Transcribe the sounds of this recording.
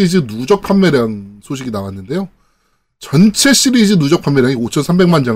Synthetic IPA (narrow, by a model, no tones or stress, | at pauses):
id͡ʑinud͡ʑʌk̚pʰammeɾjaŋsʰoɕʰiɡinawanːɯnde̞jo | t͡ɕʌnt͡ɕʰe̞ɕ͈ʰiɾid͡ʑinud͡ʑʌk̚pʰamjʌɾjaŋiot͡ɕʰʌnsʰambe̞ŋmand͡ʑa